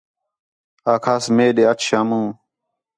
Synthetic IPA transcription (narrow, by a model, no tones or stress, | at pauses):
aːkʰasmeːɗeɐtɕʰamũː